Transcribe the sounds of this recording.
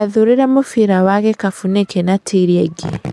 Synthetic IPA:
aðuɾɪɾamofiɾawaɣɛkafunɛkɛnatʰiɾiɛɡe

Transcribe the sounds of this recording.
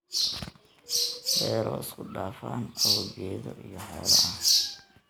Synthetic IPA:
dɛːɾɔːskʰʊɖaːfaːnɐwɔɡɛːðɔʔijɔhɔːlɛɐ

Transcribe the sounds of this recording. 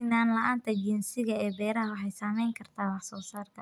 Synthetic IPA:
ɪnaːnlɐʔaːnt̪ʰɐd͡ʒɪnsɪɣɐɛːbɛːɾɐhwɑħɛjsamɛjŋkʰɐrt̪ʰaːwɑħsɔːsaːrk̪ʰɐ

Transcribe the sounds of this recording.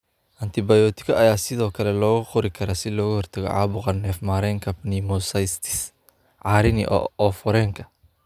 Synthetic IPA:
ʔɐnt̪ʰɪbɐjɔːt̪ʰɪ̥kʰɐʔɐjaːsɪðɔːkʰɐlɛlɔːɣʊqʊɾɪkʰɐɾasɪlɔːɣʊhɔrt̪ʰɐɣɔ̰ʕɑ̰ːβʊqɑnɛːfmaɾɛːŋkʰɐpnimɔsɐjst̪ʰɪ̥s | ʕɑːɾɪnɪ̰ʔɔfɔɾɛːŋkʰɐ̥

